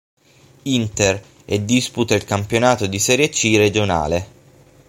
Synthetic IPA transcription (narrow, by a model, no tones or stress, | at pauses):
int̪er | ɛd̪ːisput̪ailkampjonaːt̪od̪isɛɾjet͡ʃːired͡ʒona̰ːle